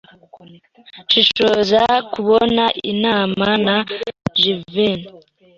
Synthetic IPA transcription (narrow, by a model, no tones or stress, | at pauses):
ʃiʃozakuβonaʔḭnaːmanaʒivin